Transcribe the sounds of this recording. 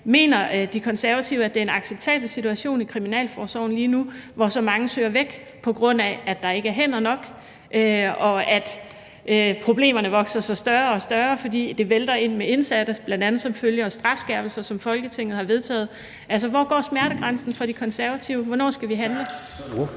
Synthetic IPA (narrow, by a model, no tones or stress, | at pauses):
me̝̰ːnɐd̥ikʰɒ̽nsæɐʋæt͡sʰiʊæd̥e̝ɐe̝nɑ̈ɡ̥seb̥̚t͡sʰɛ̰ːb̥l̩sit͡sʰuæɕo̝̰ːnikʰʁiminɛ̰ːlfɒːsɒʊ̰n̩liːnuʋɒsɒ̽mɑ̈ŋəsø̰ːɐʋeɡ̥ | pʰɒ̽ɡ̥ʁɔ̽n̰ææd̥ɑ̈e̝ɡ̥əæɐɦen̰ɒnɒ̽ɡ̥ | ʔøɒ̽æd̥ | ʔøpʰʁo̝b̥le̝̰ːmɐnəʋɒ̽ɡ̥sɐsɒ̽sd̥ɶɐɒ̽sd̥ɶɐfɒ̽dḭːd̥e̝ʋeld̥ɐe̝n̰mee̝nsæd̥əb̥lænd̥ænð̩ˠsɒ̽mføljəɒ̽sd̥ʁɑ̈fsɡ̥ɛɐb̥l̩sɐsɒ̽mfɒ̽lɡ̥ət͡sʰeŋ̰ð̩ˠhɑ̈ʋe̝ðˠt͡sʰɛ̰ːð̩ˠ | ʔæls̬əʋɒ̰ːɡ̥ɒ̰ːsmæɐɾəɡ̥ʁansn̩fɒ̽ɾ̥ikʰɒ̽nsæɐʋæt͡sʰiʊəʋɒnɒ̰ːsɡ̥æʋiɦænlə